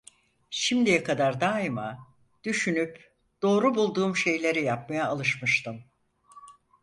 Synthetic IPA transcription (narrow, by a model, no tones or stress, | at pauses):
ʃimd̪ijɛkʰad̪aɾd̪aːima | d̪̥yʃynyp | d̪̥o̞ːɾubulˠd̪uːmʃe̞jlʲe̞ɾijap̚majaːlˠɯʃmɯʃt̪ɯm